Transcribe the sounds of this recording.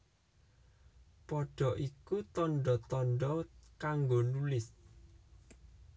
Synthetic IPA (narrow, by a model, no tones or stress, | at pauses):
pɔɖ̥ɔ̤ʔikut̪ɔnɖɔt̪ɔnɖɔkaŋɡonulɪs